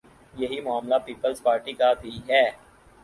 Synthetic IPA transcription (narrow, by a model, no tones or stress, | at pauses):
jɐɦimʊaːmlapiːpəlzpaːɾʈikabʱiɦɛː